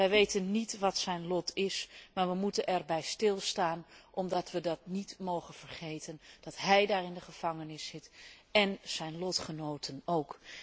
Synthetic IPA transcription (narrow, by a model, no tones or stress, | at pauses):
əjʋejtənːitʋɔtsɛjnlɔtʰɪsmaːɹʋəmutənʔɛrbɛjstɪlˠstaːnʔɔmdɑtʋədɑtnitmowχənfərχejtʰənd̥ɑtɦɛjdaːɹɪndəχəfɑŋənɪsːɪtɛnsɛjnlɔtχənowtʰənowk